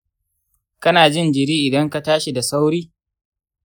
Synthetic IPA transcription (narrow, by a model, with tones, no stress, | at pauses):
kɐ˦naː˨d͡ʒɪ˦nd͡ʒɪ˨ɾiː˦ʔɪ˨dɐ˦ŋka˨taː˦ʃi˨da˨sa˦wɾiː˦